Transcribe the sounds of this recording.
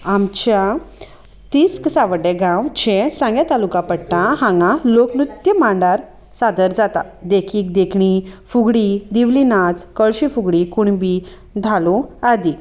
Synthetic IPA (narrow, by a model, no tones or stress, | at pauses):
amt͡ɕja | t̪isksaʋəɖeɡãwd͡ʑẽsãŋɡjat̪alukãpəɽt̪ãɦãŋɡaloknut̪jəmaɳɖaɾ | sad̪əɾd͡zat̪a̰ | d̪ekʰiːk̚d̪ekʰɳifuɡɽid̪iʋlinad͡zkəɭɕifuɡɽikuɳbi | d̪ʱalɔad̪i